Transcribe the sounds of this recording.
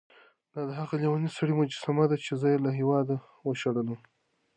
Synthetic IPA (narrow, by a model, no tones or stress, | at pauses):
d̪̥ɑd̪əɦaɣaliwanisaɽimad͡ʒasamad̪at͡ʃezəjelaɦiwɑd̪a | wəʃaɽəlum